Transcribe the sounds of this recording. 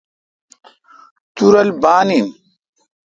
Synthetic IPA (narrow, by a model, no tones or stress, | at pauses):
t̪uɾɐlbaːnin